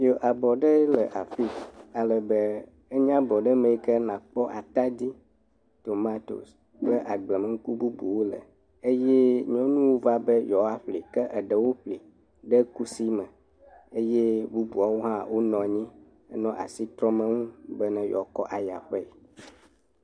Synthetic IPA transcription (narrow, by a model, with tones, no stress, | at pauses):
jo˨ʔa˨bɔ˨ɖə˦lə˨ʔa˨fi˦a˨lə˨bə˦ | ə˦ɲã˦bɔ˨ɖə˦mẽ˦i˦kə˦nã˨k͡pɔ˦ʔa˨t̪a˦d̪i˦ | t̪o˨ma˦t̪o̰˨s | bə˦ʔa˨ɡ͡blə˨mə˨ŋ̩˦ku˦bu˦bu˨wo˦lə̰˨ | e˦je˦ɲɔ̃˦nũ˦wo˦va˦bə˦jɔ˨a˦ɸli˨kə˦ʔə˨ɖə˨wo˦ɸli˨ | ɖə˦ku˦si˦mə̃˨ | e˦je˦bu˦bu˨a˨wo˦ɦã˦wo˦nɔ̃˨ɲĩ˦ | ə˦nɔ̃˦ʔa̰˨si˦t̪ɾɔ̃˦mə̃˦ŋũ˦bə˦nɛ̃˨jɔ̰˨˦kɔ˦ʔa˨ja̰˨ɸɛ˦˨